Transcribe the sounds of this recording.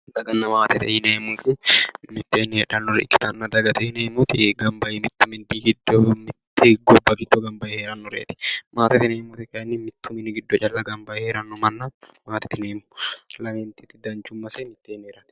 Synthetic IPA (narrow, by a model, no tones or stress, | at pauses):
d̪ɐɡɐnːɐmaːt̪ɛt̪ɪhɪneːmufɪmɪt̪ːeːnːɛhɛᶑɐnːɔɾɛkːɪ̥t̪ɐnːɐd̪ɐɡɐt̪ɪhɪneːmut̪ɪɡɐmbɐjɪmɪt̪ːʊmɪnt̪iːɡɪd̪ːomɪt̪ːɪɡɔbːɐɡɪd̪ːɔɡɐmbɐjɛheːɾɐnːɔɾḛːt̪ɪ̥maːt̪ɪt̪ɪneːmʊt̪ɪkɐɐnːɪmɪt̪ːʊmɪnːɪɡɪd̪ːɔt͡ʃʼɐlːɐɡɐmbɐjɛheːɾɐnːɔmɐnːɐmaːt̪ɪ̥t̪ɪneːmʊ̥lɐmɛnt̪iːt̪ɪd̪ɐnt͡ʃʊmːɐsemɪt̪ːeːnːɛɾɐt̪ɪ̥